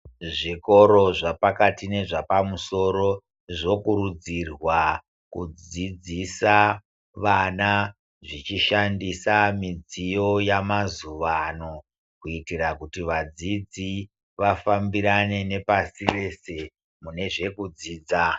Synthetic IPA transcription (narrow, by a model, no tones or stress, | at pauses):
ʐiko̞ɾo̞ʐapakatine̞ʐapamuso̞ɾo̞ | ʐo̞kuɾud͡zirwa | kud͡zid͡zisa | ʋana | ʐit͡ʃiʃandisamid͡zijo̞jamazuʋano̞ | kuitirakutiʋad͡zid͡zi | ʋafambiɾane̞ne̞pasire̞se̞ | mune̞ʐe̞kud͡ziːd͡za